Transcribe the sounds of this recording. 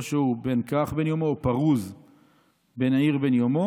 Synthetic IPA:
ʃeubenkaχbenjomoːpaʁuz | be̞niʁbe̞njomo

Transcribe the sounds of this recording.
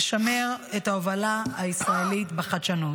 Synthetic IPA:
ʃame̞ʁetaovalaaisʁaelitbeχadʃano

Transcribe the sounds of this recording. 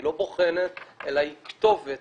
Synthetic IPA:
lo̞boχenet̪elaikt̪o̞vet

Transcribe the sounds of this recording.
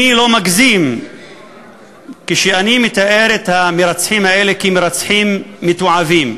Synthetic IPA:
ilo̞maɡzim | keʃeanimet̪aʔe̞ɾet̪hameɾat͡sħimhae̞lekimeɾat͡sħimːit̪oʕavim

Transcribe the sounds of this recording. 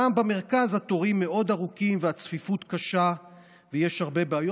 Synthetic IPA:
ambeme̞ʁ̞kazhat̪o̞ʁimːe̞o̞d̪aʁukimveat͡sfifut̪kaʃa | vejeʃhaʁbe̞beajo

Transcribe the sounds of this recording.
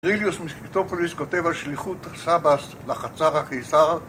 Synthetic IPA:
ʁiljusmist̪opoliskote̞valʃliχut̪sabas | laχat͡saʁakejsaʁl

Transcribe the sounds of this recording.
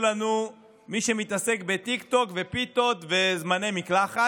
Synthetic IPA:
lanu | miʃe̞mit̪ase̞kbe̞t̪ikt̪o̞kve̞pit̪o̞t̪ve̞zmanejmiklaχa

